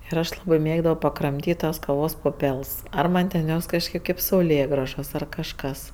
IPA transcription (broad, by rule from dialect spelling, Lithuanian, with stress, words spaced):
ɪr ˈɐʃ ˈlˠɑːbɜ ˈmʲeːɡdɐʋoː pɐkrɐmʲˈtʲiːtʲ tɐs kɐˈʋoːs pʊˈpʲɛlˠs ˈɐr ˈmɐnʲ tʲɛn ˈjoːs kɐʃʲˈkʲeːp ˈkɐɪp sɐʊˈlʲeːɡrɐʒoːs ɐr kɐʃˈkɐs